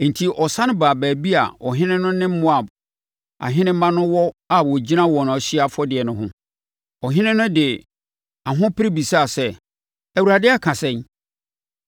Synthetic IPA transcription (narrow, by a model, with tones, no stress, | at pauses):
n̩˨tʰi˨ʔɔ˨sã˦nʊ̃˦baː˨bæː˨bi˦a̰˨ɔ˨ɦɪ̃˦nɪ̃˦nʊ̃˦nɪ̃˦m̩˦mʊ̃˦a˨b | a̰˨ɦɪ̃˦nɪ̃˦m̩˦mã˦nʊ̃˦wɔ˦a˨wɔ˨d͡ʑi˦ã˦wɔ˨nʊ̃˨ɔ˨ɕɪ˦a˦fɔ˦dɪ˨ɛ˨nʊ̃˦ɦʊ̃˦ | ɔ˨ɦɪ̃˦nɪ̃˦nʊ̃˦dɪ˨ | a˨ɦʊ̃˦pʰɪ˦ɾi˦bi˨sa˦˨sɛ˦ | æ˨wu˨ɾa˨dɪ˦a˨kʰã˨sɛ̃˦˨ɲ